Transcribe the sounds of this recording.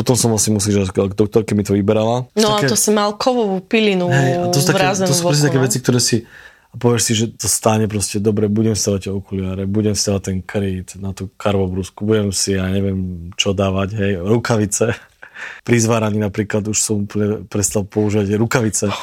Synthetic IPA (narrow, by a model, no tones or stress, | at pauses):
pɔt̪ɔmsɔmasimusiʒaɡaɡd̪ɔk̚t̪ɔɾkɛmit̪ɔʋibɛɾalanɔtaaɛt̪ɔsimalkʰɔʋɔʋupilinuɦɛjaɔsut̪akɛazɛɔsu̥ɾɛs̬ɛt̪akɛʋɛt͡sik̚t̪ɔɾɛːsi | apɔʋɪɛʃsiʒɛt̪ɔst̪aɲɛp̬ɾɔscɛd̪ɔbɾɛbuɟɛmsid̪aːʋac̚t̪ɔkulɪaːɾɛbuɟɛmsid̪aːʋat̚t̪ɛnkɾiːt̪nat̪uːkʰaɾʋɔbɾuskubuɟɛmsijaːɲɛʋɪɛmt͡ʃɔd̪aːʋaɟɦɛjɾukaʋit͡sɛ | pɾizʋaːɾaɲinapɾiːklad̪uʃsɔmupl̩ɲɛpɾɛst̪alpɔuʒiːʋaɟɾukaʋit͡sɛ